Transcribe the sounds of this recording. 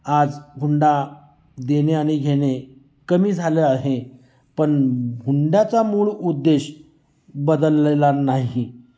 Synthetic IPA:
ad͡zɡʱuɳɖa | d̪eneaɽ̃iɡʱeɽ̃e | kəmiːd͡zʱaleaɦe | pəɳɡʱuɳɖjat͡samuːɭud̪ːeɕ | bəd̪əlːelanaɦi

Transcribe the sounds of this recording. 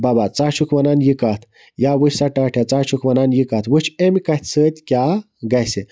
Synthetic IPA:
babat͡saːt͡ʃʰukʰʋɐnaːnjikaːt̪ʰ | jaːwɨt͡ʃʲsɐʈaːʈʰjat͡saːt͡ʃʰukʰʋɐnaːnjikɐt̪ʰwɨt͡ʃʰemʲkɐt̪ʲʰsəːt̪ʲkʲaː | ɡɐjse

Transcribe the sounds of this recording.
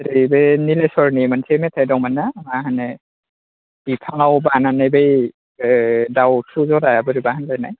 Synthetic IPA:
ɾibenilesɔɹnimansʰemetʰajdɔwmanamaɦanɛ | b̥ipʰaŋawbananajbej | dawtʰuzɔɾajabɯɾibahanlajna̰j

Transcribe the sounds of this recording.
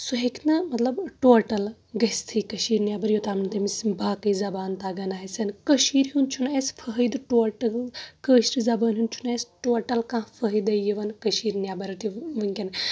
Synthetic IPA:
suɦeknɐmɐt̪lɐbʈoːɾʈɐl | ɡɐst̪ʰikɐʃiːɾnjaːbɐɾjot̪aːmnt̪ɐmismbaːkɐizɐbaːnt̪aːɡɐnaːɦisʲɐnkɐʃiːɾɦunt͡ʃʰunaːsfʰəɦəd̪ɨʈoːɾʈɐlkəːʃʈizɐbaːnɦunt͡ʃʰunaːsʈoːɾʈɐlkãːfʰɐɦjd̪ɐjiʋɐnkɐʃiːɾnjaːbɐɾɐt̪iʋɐŋkʲɐn

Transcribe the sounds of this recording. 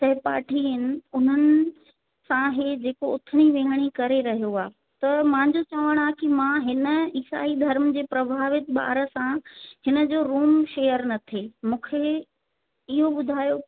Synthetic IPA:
sɐɦɪpa̰ːʈʰiənɪ̆ʊn̤ənɪ̆ | sãɦed͡ʑeːkoʊt̪ʰəɽ̃iʋẽːɦəɽ̃ikɐɾeɾɐɦijoaː | t̪ɐmãːɲd͡ʑot͡ɕaːʋəɽ̃aːkimãɦɪnə̆iːsa̰ːid̪ʱɐɾmd͡ʑeːpɾɐbʱaːʋɪt̪ɓa̰ːɾə̆sãhɪnə̆d͡ʑoːɾuːmʃeːjəɾnɐt̪ʰemũːkʰe | ɪɦoɓʊd̪ʱaːjo

